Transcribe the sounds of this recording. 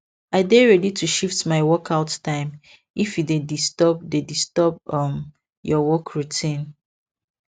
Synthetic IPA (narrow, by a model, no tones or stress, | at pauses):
aɪdeɹɛditʰuʃiftmaɪwɔkʰaʊttãɪ̃m | ifjidedistɔb̚dedistɔbʌm | jɔwɔkʰɹutʰĩn